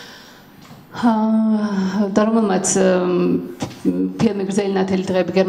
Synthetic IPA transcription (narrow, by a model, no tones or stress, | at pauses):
d̪aɾɔmɛlˠmat̪sʰ | pʰilˠmiɡɾzɛlinat̪ʰɛlid̪ʁɛbiɡɛɾm